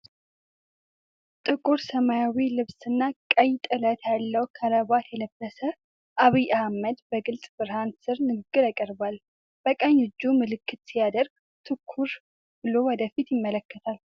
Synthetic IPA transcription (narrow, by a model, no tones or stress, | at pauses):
t̪ʼɨkʼuɾsəmajawilɨβsɨnːakʼəjt̪ʼɨlət̪ʰjalːəwkʰələβat̪jɛləbːəsə | ʔaβijʔahməd̪bəɡɨlsʼbɨɾhansɨɾnɨɡɨɡːɨɾakʼəɾbal | b̥əkʼəɲːɨd͡ʒːumɨlɨkʰːɨt̪sijad̪əɾɡ̚ | t̪ʰɨkʰːuɾ | b̥ɨlowɔd̪əfit̪jɪmːələkːət̪ʰal